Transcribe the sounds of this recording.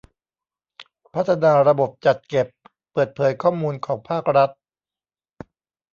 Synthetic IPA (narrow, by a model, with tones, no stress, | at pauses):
pʰa˦˥t̪ʰːa˧naː˧ɾa˧bo˨˩p̚t͡ɕa˨˩t̪̚ke˨˩pː | ɤː˨˩t̪̚pʰɤː˩˦jkʰɔː˥˩muː˧nkʰɔː˩˦ŋpʰaː˥˩k̚ɾa˦˥t̪̚